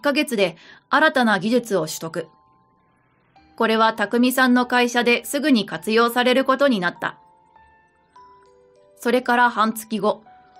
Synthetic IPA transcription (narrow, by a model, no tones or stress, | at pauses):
kːaɡe̞t͡sɨd̪e̞aɾat̪anaɡʲiʑɨt͡sɨo̞ɕɨ̥t̪o̞kɯ̟ | ko̞ɾe̞β̞at̪akɯ̟mʲisãnːo̞kaiɕad̪e̞sɨɡɯ̟ɲ̟ikat͡sɨjo̞ːsaɾe̞ɾɯ̟ko̞t̪o̞ɲ̟inat̪ːa̰ | so̞ɾe̞kaɾahãnt͡sɨ̥kʲiɡo̞